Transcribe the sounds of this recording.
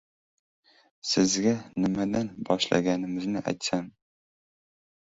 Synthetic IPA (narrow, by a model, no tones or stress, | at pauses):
sɪzɡʲanɪmad̪anbɒʃlˠa̰ɡʲanɪmɪznɪʔæ̰jt̪san